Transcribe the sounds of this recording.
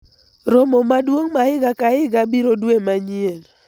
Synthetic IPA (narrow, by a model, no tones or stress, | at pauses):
ɾɔmɔmadwoŋmaɪɡakaɪɡabiɾodwemaɲiel